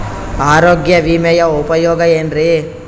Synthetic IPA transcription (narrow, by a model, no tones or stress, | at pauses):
aːɾoːɡjɐʋimɛjɐupɐjoːɡɐeːnɾi